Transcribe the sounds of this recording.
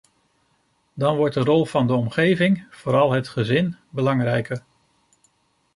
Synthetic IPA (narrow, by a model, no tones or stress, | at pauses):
dɑnʋɔɹt̚dərɔlˠvɑndəɔmχejvɪŋv̥ʊːɾɑlˠɦətχəzɪnbəlɑŋrɛjkʰər